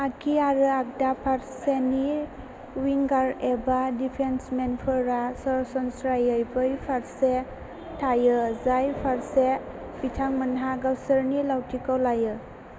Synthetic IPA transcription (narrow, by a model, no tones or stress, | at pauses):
akʰiaɾɯak̚dapʰaɾseni | wiŋɡaɾebadipʰensmenpʰɯɾasɔɾsɔnsɾajɯjbɯjpʰaɾse | tʰajɯzajpʰaɾse | b̥itʰaŋmənɦaɡawsəɾnilawtʰikawlajɯ